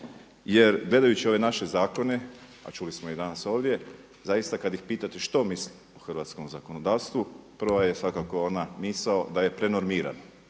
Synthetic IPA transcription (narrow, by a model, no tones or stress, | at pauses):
je̞ɾɡle̞d̪ajut͡ɕio̞ʋe̞naʃe̞zaːko̞ne̞a̰t͡ʃulismoid̪anaso̞ːʋd̪je̞ | zajist̪akad̪jixpiːt̪at̪eʃt̪o̞misli | oxrʋat̪sko̞mzako̞no̞d̪aːʋst̪ʋupr̩ʋajesʋakako̞onamisaod̪aje̞pɾe̞no̞ɾmiːɾa̰no